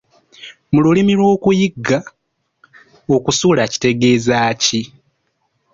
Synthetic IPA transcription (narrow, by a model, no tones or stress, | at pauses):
mululimilwo̞ːkujiɡa | o̞kusulaci̥te̞ɡe̞ːzaːci